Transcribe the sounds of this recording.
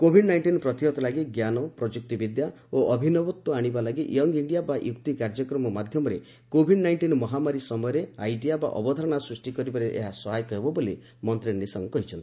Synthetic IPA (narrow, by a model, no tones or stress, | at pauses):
kobʱiɖnajɳʈinɔpɾɔt̪iɦɔt̪ɔlaɡiɡjanɔpɾɔd͡ʒuk̚t̪ibid̪ja | oʔɔbʱinɔbɔt̪ːɔaɽ̃ibalaɡiʔjɔŋɡiɳɖijabajukt̪ikaɾd͡ʒɔkɾɔmɔmad̪ʱjɔmɔɾe | kobʱiɖnajɳʈinɔmɔɦamaɾisɔmɔjɔɾeajɖijaba̰ʔɔ̰bɔd̪ʱɔɾɔɽ̃asɾisʈikɔɾibaɾeʔeɦasɔɦajɔkɔɦebɔboli | mɔnt̪ɾiisɔŋɡɔkɔɦit͡ʃʰɔnt̪i